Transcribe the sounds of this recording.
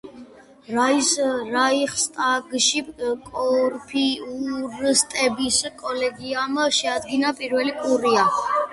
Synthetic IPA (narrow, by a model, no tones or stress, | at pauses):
ɾaisɾaiχst̪ʼaɡʃikʼɔɾpʰiuɾst̪ʼɛbiskʼɔlɛɡiamʃɛad̪ɡinapʼiɾwɛlikʼuɾia